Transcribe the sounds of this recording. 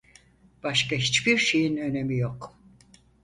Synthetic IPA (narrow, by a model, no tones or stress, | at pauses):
b̥aʃkaɦit͡ʃbiɾʃe̞jinø̞ne̞mijok